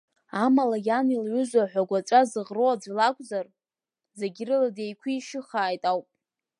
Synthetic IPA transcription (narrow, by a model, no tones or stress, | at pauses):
amalajanilʕʷʏzʷaħʷaɡʷat͡ʃʷʼazɨʁrowad͡zʷilakʷʰʼzar | zeɡʲɪrɨlade̞jkʷʰiːʃɪχaːjtʼawpʼ